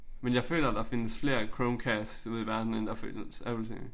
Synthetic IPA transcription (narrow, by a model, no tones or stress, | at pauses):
menjɑ̈ɪfø̰ːlɐd̥ɑ̈ːfe̝nəsfle̝ɐkʰɹoʊnkʰæssuð̰ˠiʋæɐd̥n̩end̥ɑ̈fø̰ːlsæ̰lsḛ